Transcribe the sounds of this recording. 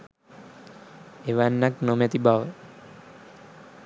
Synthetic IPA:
eʋanːaknomet̪ibaʋə

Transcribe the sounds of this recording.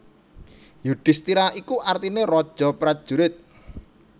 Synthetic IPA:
juɖ̥ɪ̤st̪iɾaikuʔart̪inerɔd̥ʒ̥ɔ̤pɾad̥ʒ̥ṳɾɪt̪̚

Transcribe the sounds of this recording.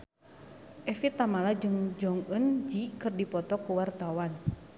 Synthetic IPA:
ʔɛfit̪amalad͡ʒɨŋd͡ʒɔŋənd͡ʒikɨrdipɔt̪ɔkuwart̪awan

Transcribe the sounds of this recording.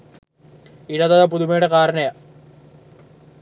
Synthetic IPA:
iɽɐðɐðɐp̬uðumejɽekaːɾɐnɐja

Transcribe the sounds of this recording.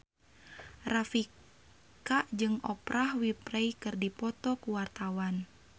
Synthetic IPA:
rafi | kaʔd͡ʒɨŋɔpɾahwipɾɛjkɨrdipɔt̪ɔkuwart̪awan

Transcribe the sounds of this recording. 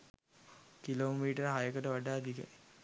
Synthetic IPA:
kiloːmiːʈəɾɦajəkəʈəʋaɖaːd̪ikɛ̰j

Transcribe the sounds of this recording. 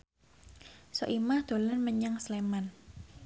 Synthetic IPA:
so̰ʔimahd̪̥o̤lənməɲaŋsleman

